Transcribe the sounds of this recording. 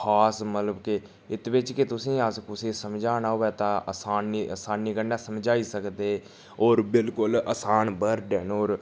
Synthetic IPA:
aːsmət̪ləbke | ɪt̪ʋɪt͡ʃkɪt̪ʊsĩːəskʊsĩːsəmd͡ʒaːnaːɦoːʋɛːt̪ãːə̰saːnːiəsaːnːiːkəɳaːsəmd͡ʒaːiːsəkd̪eː | ɔːɾbɪlkʊləsaːnbəɾɖɛnoːɾ

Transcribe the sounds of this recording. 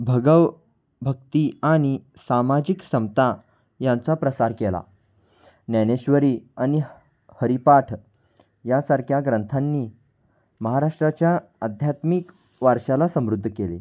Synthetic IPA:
bʱəɡəʋ | bʱək̚t̪iaɽ̃i | samad͡ʑiksəmt̪a | jant͡sapɾəsaɾkela̰ | njaneɕʋəɾiːaɽ̃i | həɾipaʈʰ | jasaɾkʰjaɡɾənt̪ʰanːiː | məɦaɾaʂʈɾat͡ɕjaəd̪ʱjat̪mik | ʋaɾʂalasəmɾud̪ʱːkelḛ

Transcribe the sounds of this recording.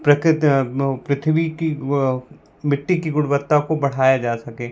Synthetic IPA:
pɾɐkt̪pɾɪt̪ʰʋiki | mɪʈːikiɡʊɽʋət̪ːakobɐɽ̤aːjad͡ʒaːsɐkẽː

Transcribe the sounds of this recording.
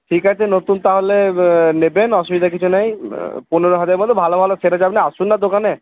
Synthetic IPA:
ʈʰikɦat͡ʃʰenot̪unt̪aɦolenebenɔsubid̪ak̬it͡ɕʰunajpuneɾɔɦad͡ʑaɾeɾmɔd̪ʱːebʱalobʱalosʰeɾad͡ʑabnɛasunːad̪okane

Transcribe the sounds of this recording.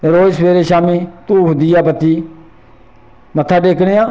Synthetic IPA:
ɾoːsʋeːɾeːʃaːmiːt̪ũːɦʊd̪ɪjaːpət̪iː | mət̪ʰːaːd̪eːkɽ̃eːãː

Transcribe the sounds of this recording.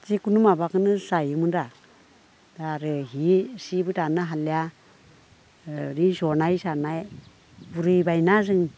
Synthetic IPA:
tikunumabakɯnɯsajɯmɯnda | daɾɯɦisibɯtanɯɦalja | ɾinsɔnajsanaj | buɾɯjbajnazɯŋ

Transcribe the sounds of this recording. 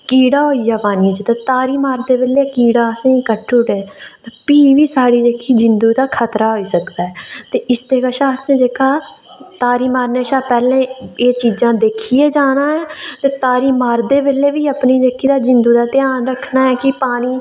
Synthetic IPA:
kiːɽaːɦoːiːjaːpaːnĩːd͡ʒit̪aːt̪aːɾiːmaːɾd̪eːbeːleːkiːɽaːəsẽːkəʈʰːuːʈeːt̪apiːʋiːsaːɽiːd͡ʒeːkʰːiːd͡ʒɪnd̪uːd̪aːkʰət̪ɾaːɦoːiːsəkd̪aːɦɛːt̪eːʔɪst̪eːkəʃaːsẽːd͡ʒeːkʰaː | t̪aːɾiːmaːɾneːʃaːpɛːlẽːeːt͡ʃiːd͡ʒãːd̪eːkʰiːeːd͡ʒaːnãːɛːt̪eːt̪aːɾiːmaːɾd̪eːbeleːbiːəpniːd͡ʒeːkʰiːd̪aːd͡ʒɪnd̪uːd̪aːt̪ɪaːnɾəkʰnaːɦɛːkɪpaːniː

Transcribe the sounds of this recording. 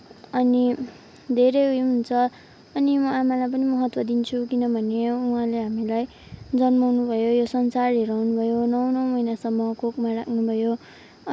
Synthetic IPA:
ʌni | d̪ʱeɾʌjujɦunt͡sʰʌː | nimʌamalajp̬ʌnimʌɦʌt̪wʌd̪int͡sʰukinʌbʱʌneuɦãleɦamilaj | d͡zʌnmawnubʱʌjojosʌnsarɦeɾawnubʱʌjonʌwnʌwmʌjnasʌmːʌkokmarakʰnubʱʌjo

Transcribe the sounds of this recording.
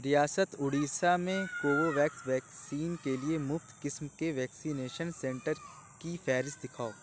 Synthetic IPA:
ɾijaːsət̪ʊɽiːsamẽkoːʋoʋɛːksʋɛːksiːnkeliemʊft̪kɪsmkeʋɛːksiːneːʃənsɛ̃ɳʈəɾ | kifʰɛːɾɪs̚d̪ɪkʰaːoː

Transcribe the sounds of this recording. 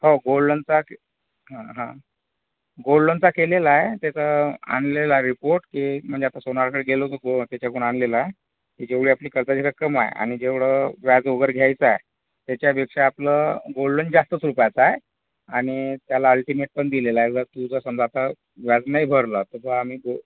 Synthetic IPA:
hoɡolɖənt͡sak | ɦãɦã | ɡolɖənt͡sakelelaet̪jat͡səa̰nlelaɾipoɾʈkim̤əɳd͡zeat̪asonaɾkəɽeɡelokəɡot̪jat͡ɕakuɳanlelae | kiːd͡ʑeʋɭ̤iapliːkəɾd͡zad͡ʑikəkɾəma̰jḛa̰ɽ̃id͡ʑeʋɽəʋjad͡zʋoɡəɾɡʱjajt͡səae | t̪jat͡ɕjapekʂaːpləɡolɖənd͡zast̪ət͡sɾupjat͡sae | aɽ̃it̪jalaəlʈimeʈ̚pəɳd̪ilelaed͡zət̪ud͡zəsəmd͡zat̪a | ʋjad͡znaibʱəɾlət̪əʋaam̤iːɡo

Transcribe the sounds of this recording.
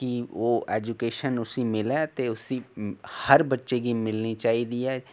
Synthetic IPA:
kiʋoːeːd͡ʒukeːʃənʊsimɪlɛːt̪eʊsihɐɾbɐtːʃeɡimɪlnit͡ʃaːɦid̪iɛː

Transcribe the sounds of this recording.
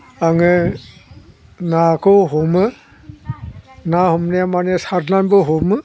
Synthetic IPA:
aŋɯ | nakʰɔɦɔmɯ | nahɔmneamanesaɾlanboɦomɯ

